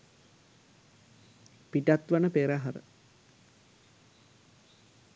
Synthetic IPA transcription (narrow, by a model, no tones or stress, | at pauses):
piʈat̪ʋanəpeːɾaɦaɾə̰